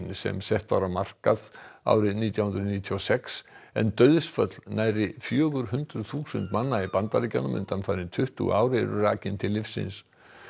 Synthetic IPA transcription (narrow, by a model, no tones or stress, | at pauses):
nsɛ̰msɛht̪vawɾawmar̥kaða̰wɾɪðniːt̪jawhnd̪ɾðniːt̪ʰiɔsɛksɛ̰nt̪œːɥðsfœt̪lnaːjɾɪfjœːɣʏɾɦʏnt̪ɾʏðθuːsʏnt̪manːaipant̪aliːcanʏmʏ̰nt̪anfaɾɪnt̪ʰʏht̪ṵaːwɾɪ̰ɾʏraːcɪnt̪ʰɪlːɪfsːɪ̰ns